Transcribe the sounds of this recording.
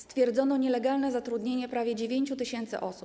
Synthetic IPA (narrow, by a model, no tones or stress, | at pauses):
st̪fʲjɛɾd̪zɔnɔɲɛlɛɡalnɛzat̪ɾud̪ɲeɲɛpɾavʲjɛd͡ʑevʲjeɲt͡ɕut̪ɘɕɛnt̪sɘ̰ʔɔsup